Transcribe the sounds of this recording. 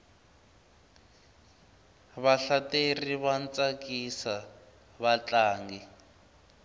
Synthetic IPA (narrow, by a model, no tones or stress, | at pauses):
βaɬateriβant͡sʼakisa | βat͡ɬaːŋɡi